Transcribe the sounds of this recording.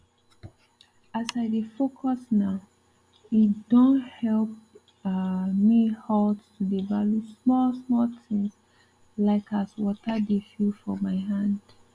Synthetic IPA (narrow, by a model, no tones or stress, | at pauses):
asaɪdifokʰɔsnaʊ | itd̥ɔ̃nhɛlp̚ | mihɔldtudivaljusmɔlsmɔltɪ̃ŋs | laɪkʰaswɔtədefilfɔmaɪɦãnd̥